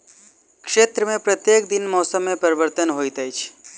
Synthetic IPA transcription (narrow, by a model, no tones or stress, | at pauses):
kʂet̪ɾəmẽpɾət̪jek̚d̪inmɔːsəmːẽpəɾibəɾt̪ənɦojt̪əjt͡ʃʰ